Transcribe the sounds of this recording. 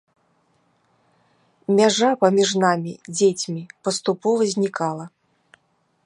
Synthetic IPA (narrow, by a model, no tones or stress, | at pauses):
mʲaʐapɐmʲiʐnamʲid͡zʲet͡sʲmʲipɐst̪upɔvɐzʲnʲikalˠɐ